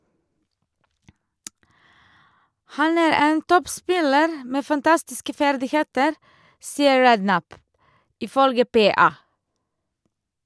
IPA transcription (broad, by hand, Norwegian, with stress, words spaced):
ˈhɑn ˈæːɾ ˈeːn ˈtɔpˌspɪləɾ ˈmeː fɑnˈtɑstɪskə ˈfæɾdɪˌheːtəɾ ˈsiːəɹ ˈɹɛdˌnæp ɪˈfœlɡə ˈpeːɑː